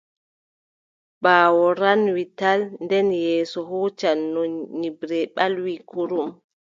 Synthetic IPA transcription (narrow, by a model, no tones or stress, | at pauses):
baːwɔɾanwitalndɛnjɛːsɔɦuːt͡ʃanːoɲːibɾɛɓalwikuɾum